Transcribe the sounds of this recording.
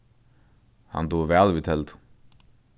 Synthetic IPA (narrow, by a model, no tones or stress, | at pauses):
hɑ̰nd̪uːʋæːlʋit̪ʰɛld̪